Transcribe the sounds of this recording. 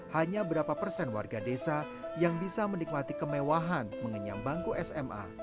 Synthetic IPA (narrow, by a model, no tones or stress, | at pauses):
haɲabəɾapapərsɛnwa̰rɡadesa | jaŋbisamənik̚mat̪ikəmewaɦanməŋəɲa̰mbaŋkuʔɛsɛmʔa̰